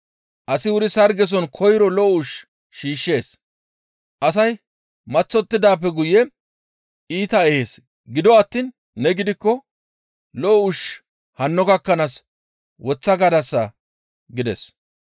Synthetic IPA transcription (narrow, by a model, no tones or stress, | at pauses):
ʔɐsɪwʊɾɪsɐɾɡɛs̬ɔnkʰɔjɾɔlɔʔɔʊʃː | iːʃːe̞ːs | ʔɐs̬ɐj | mɐt͡sːɔt̪ːɪd̪aːpːɛɡʊjɛ | ʔiːt̪ɐɛhe̞ːs | ɡɪd̪ɔɐt̪ːiːnː | ɛɡɪd̪ɪkːɔ | lɔʔɔʊʃ | hɐnːɔɡɐkːɐnas | wɔt͡sːɐɡɐd̪ɐsːɐ | ɡɪd̪ɛ̰s